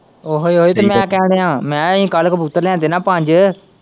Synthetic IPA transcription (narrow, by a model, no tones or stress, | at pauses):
oɦoiɦoːit̪eːmɛ̃ːkɛːɽ̃eːãːmɛ̃ːĩːkəlkəpʊt̪ːəɾlɛ̃ːnd̪eːnãːpãɲd͡ʒ